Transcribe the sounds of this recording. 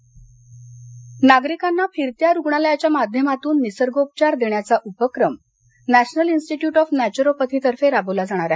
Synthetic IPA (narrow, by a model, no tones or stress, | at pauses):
naɡɾikanːafiɾt̪jaɾuɡɳaljat͡ɕjamad̪ʱjəmat̪uːnːisəɾɡop̚t͡ɕaɾd̪eɳjat͡saʔupəkɾəm | næɕnəlinsʈiʈjuːʈɔfnæt͡ɕuɾopət̪ʰit̪əɾfeɾabəlad͡zaɽ̃aɾa